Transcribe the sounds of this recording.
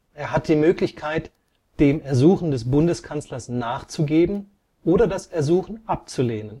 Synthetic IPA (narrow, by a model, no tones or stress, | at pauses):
ʔeːɐɦat̚d̥iːmøːklɪçkʰaɪt | d̥eːmɛɐzuːxn̩dɛsb̥ʊndəskʰant͡slɐsnaːχt͡suɡeːbm̩ | ʔoːdɐdasɛɐzuːxn̩ʔap̚t͡suleːnən